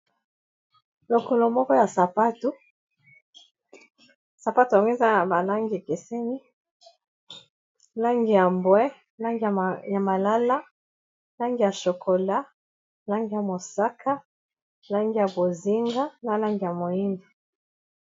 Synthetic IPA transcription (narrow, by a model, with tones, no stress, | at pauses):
lo˨ko˨lo˨mɔ˦kɔ˦ja˨sa˨pa˦tu˦ | sa˨pa˦tu˨a˨ŋɡe˦za˦na˨ba˨la˦ŋɡi˨kɛ˨se˦ni˦ | la˦ŋɡi˨ja˨mbwɛ˦ | la˦ŋɡi˨ja˨ma˨la˦la˦ | la˦ŋɡi˨ja˨ʃo˨kʰo˨la˦ | la˦ŋɡi˨ja˨mo˨sa˦kʰa˦ | la˦ŋɡi˨ja˨bo˨zi˦ŋɡa˦na˨la˦ŋɡi˨ja˨mo˨i˦nda˨